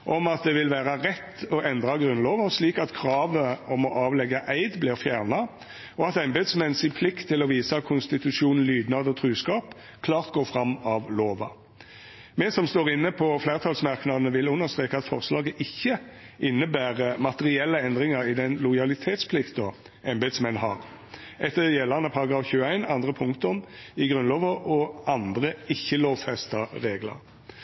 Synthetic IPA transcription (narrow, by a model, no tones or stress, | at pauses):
ʔɔmɑt̪̚d̪ɛʋɪlʋæːʁɑʁɛt̪ːɔʔɛnd̪ʁɑɡʁʉnloːʋənsliːkɑt̪kʰʁɑːʋəɔmɔʔɑːʋlɛɡɑʔæɪd̪blɪʁfjæːʁnɑ | ɔɑt̪ɛɪmbed̪smɛnsɪpʰlɪkt̪ʰːɪlɔʋiːsɑkʰʊnst̪ɪt̪ʉʂuːnn̩lyːd̪nɑd̪əɔt̪ʰɾʉːskɑːp | kʰlɑːʁt̪̚ɡoːfʁɑmːɑʋloːʋɑ̰ | mɛsɔmst̪oːɾɪnːəpʰɔfleːʁt̪ʰɑːlsmɑʁknɑd̪nəʋɪlʉnːəʁst̪ʁeːkɑt̪fɔʁslɑːɡəʔɪçːəʔɪnːəbæːʁəmɑt̪əʁɪɛlːəɛnd̪ʁɪŋəɾɪd̪ɛnlʊjɑlɪt̪ʰeːt̪spʰlɪkt̪ɔ | ɛnbet̪smɛnɦɑ̰ʁ | ʔɛt̪ːəjɛlːɑʁnəpʰɑʁɑɡɑːfçʉːəæɪnɑnd̪ʁəpʰʊŋkt̪ʊmɪɡʁʉnloːʋəɔɑnd̪ʁəɪçːəloːʋfɛst̪ɑʁeːɡlə̰ʁ